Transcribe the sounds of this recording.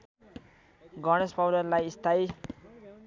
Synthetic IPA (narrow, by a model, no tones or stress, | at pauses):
ɡʌɽ̃espawɖʌrlajist̪ʰaj